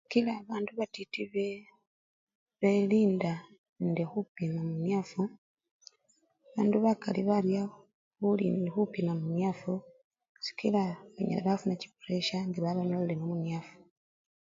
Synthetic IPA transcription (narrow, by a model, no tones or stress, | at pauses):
si̥kilaβaːnduβatitiβe | βeliːnda | ndexupimamunjafu | βaːnduβakaliβalja | βulḭnxupimamunafu | si̥kilaβa̰ɲḛleβafunaci̥kole̞ʃaŋɡiβaβanolilenomunjafu̥